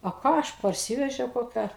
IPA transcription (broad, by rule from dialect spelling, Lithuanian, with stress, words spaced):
oː ˈkɑː ˈɐʃ pɐrʲˈsʲiːʋʲɛʒʲɛʊ koːˈkʲæː